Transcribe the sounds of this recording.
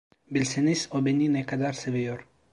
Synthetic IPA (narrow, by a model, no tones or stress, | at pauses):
bilsɛnisɔbɛninɛkad̪aɾsɛvijɔɾ